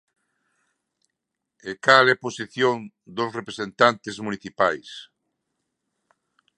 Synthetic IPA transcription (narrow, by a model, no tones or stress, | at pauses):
ekalɛposiθjõn | d̪osrepɾesent̪ant̪ɪzmuniθipajs